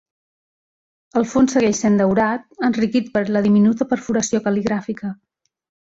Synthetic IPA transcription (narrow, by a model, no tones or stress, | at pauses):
əlˠfonsːəɣɛʃsend̪əwɾat̪̚ənrikit̪̚pəɾləðiminut̪əpəɾfuɾəsiokəliɣɾafikə